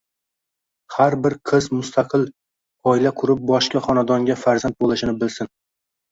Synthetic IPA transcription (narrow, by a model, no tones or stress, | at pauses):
haɾbɪɾqʰɨzmʊst̪ʰaqʰɨlˠ | ɒɪlaqʰʊɾɪp̚bɒʃkʲaχɒnad̪ɒŋɡʲafaɾzant̪̚bolˠɪʃɪnɪbɪlsɪn